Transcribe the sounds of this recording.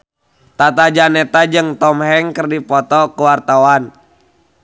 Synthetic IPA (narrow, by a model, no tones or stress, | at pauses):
t̪at̪ad͡ʒanɛt̪ad͡ʒɨŋt̪ɔmɦɛŋkərdipɔt̪ɔkuwart̪awan